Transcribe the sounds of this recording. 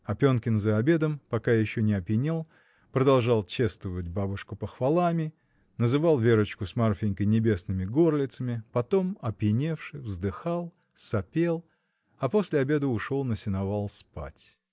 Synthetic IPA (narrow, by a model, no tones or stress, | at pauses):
ɐpʲo̞nkʲɪnzəɐbʲe̞d̪əmpɐkajɪɕːonʲɪɐpʲjɪnʲelˠ | pɾəd̪ɐlˠʐɑlˠt͡ɕest̪vəvət̚ʲbabʊʂkʊpəxvalˠamʲɪ | nəzɨvɑlˠvʲe̞ɾət͡ɕkʊsmarfʲɪɪnʲkəjnʲɪbʲe̞snɨmʲɪɡo̞rlʲɪt̪səmʲɪpɐt̪o̞mɐpʲjɪnʲe̞fʂɨvzd̪ɨxalˠ | sɐpʲe̞lˠ | ɐpo̞sʲlʲɪɐbʲe̞d̪əʊʂo̞lˠnəsʲɪnɐvalˠspa̰tʲ